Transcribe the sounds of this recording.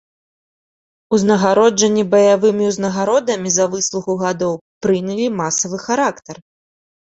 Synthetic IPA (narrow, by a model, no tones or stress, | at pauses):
uznɐɣaɾɔd͡ʐɐnʲːibɐjavɨmʲiwznɐɣaɾɔd̪ɐmʲizɐvɨslˠuxuɣad̪ɔwpɾɨnʲɐlʲimasɐvɨxaɾakt̪ɐr